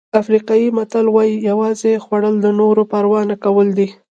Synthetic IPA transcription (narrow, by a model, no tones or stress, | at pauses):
afɾiqɑjimat̪alwɑjijawɑzexwaɽəld̪ənoɾopaɾwɑnakawəld̪i